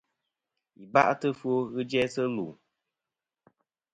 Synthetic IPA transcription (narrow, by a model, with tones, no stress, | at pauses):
i˨ba̰˦ʔtɨ˦fwo˦ɣɨ˦d͡ʒɛ˦sə˦lu˨